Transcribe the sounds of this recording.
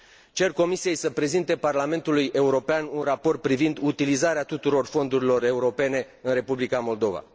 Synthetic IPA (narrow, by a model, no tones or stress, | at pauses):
t͡ʃe̞rko̞misije̞jsəpɾe̞zint̪e̞parlame̞nt̪uluje̞uɾo̞peanunrapo̞rt̪̚pɾivind̪ut̪ilizaɾeat̪ut̪uɾo̞rfo̞nd̪uɾilo̞re̞uɾo̞pe̞ne̞ | ɨnɾe̞publikamo̞ld̪o̞va̰